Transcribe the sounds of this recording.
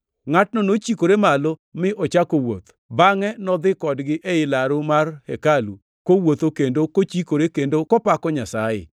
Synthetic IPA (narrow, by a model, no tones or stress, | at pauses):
ŋat̚nɔnot͡ʃikoɾemalomɪʔɔt͡ʃakowo̰t̪ | baŋɛnɔd̪ɪkɔdɡɪʔeɪlaɾomarhɛkalṵ | kowot̪okendokot͡ʃikoɾekendokɔpakɔɲasajɪ̰